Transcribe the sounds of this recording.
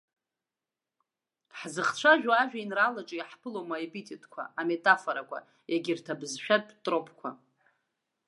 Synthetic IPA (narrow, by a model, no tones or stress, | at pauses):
ħzɨχt͡ɕʷʰaʒᶣaaʒᶣainralaʈ͡ʂʼjħpʰɨlomaepitʰʼitʼʰkʷʰa̰ame̞tʼafoɾakʷʰa̰ | jaɡʲirtʰabɨzʃᶣatʼtʼropʰkʷʰa̰